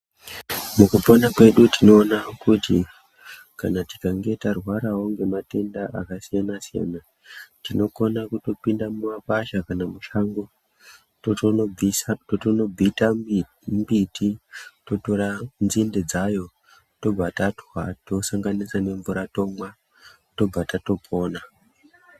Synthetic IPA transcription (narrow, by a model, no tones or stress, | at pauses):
mukuponakwe̞ɗutino̞ːnakuti | ka̰nati̥kaŋɡe̞tarwaɾaɦoŋɡe̞mate̞ndaʔakasijanasija̰na | tino̞ko̞nakuto̞pindamumapaʃakanamuʃaŋɡo | ototono̞b͡vita | mbitito̞toɾanzinde̞d͡zajo̞ | to̞b͡vatatwato̞saŋɡanisane̞ɱvuɾato̞mwa | to̞b͡vatato̞pʰo̞ːna